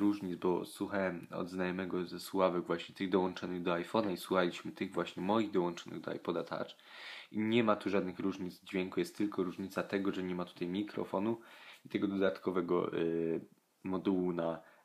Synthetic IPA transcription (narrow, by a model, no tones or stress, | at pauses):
ɾuʐɲid̪zbɔswuxawɛmɔ̰d̪znajɔmɛɡɔzɛswavɛɡvwaɕɲɛt̪ɘɣd̪ɔwɔnt͡ʂɔnɘɣd̪ɔajfɔnaiswuxalʲiɕmɘt̪ɘɣvwaɕɲɛmɔjiɣd̪ɔwɔ̃nt͡ʂɔnɘ̰ɣd̪ɔ̰a̰jpɔd̪at̪ʰa̰t͡ʂ | iɲɛmat̪uʐad̪nɘxɾuʐɲid̪zd͡ʑvʲɛŋkujɛst̪ːɘlkɔɾuʐɲit̪sat̪ɛɡɔʐɛɲɛmat̪u̥t̪ajmʲikɾɔ̰fɔnuit̪ɛɡɔd̪ɔd̪at̪kɔvɛɡɔ̰ | mɔd̪uwuna